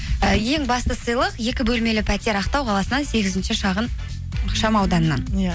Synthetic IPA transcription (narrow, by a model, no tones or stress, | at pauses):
əje̞ŋbɑst̪əsəjlˠəqje̞kʲɪbɵlme̞lɪpʰæt̪ʲeɾɑqt̪ɑwqʰɑlˠɑsənɑnse̞ɡʲɪzɪnʃɪʃɑʁənʰ | oʃɑmɑwd̪ɑnənːɑn